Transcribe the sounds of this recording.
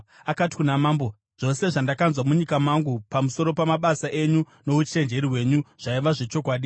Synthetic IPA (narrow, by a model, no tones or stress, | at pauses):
akati̥kunamaːmbo | ʐ̥o̞se̞ʐandakanzwamuɲikamaŋɡupamuso̞ɾo̞pamaɓasaʔe̞ɲu | no̞ut͡ʃe̞nd͡ʒe̞ɾiwe̞ɲuʐ̥aiʋaʐe̞t͡ʃo̞kwaːɗi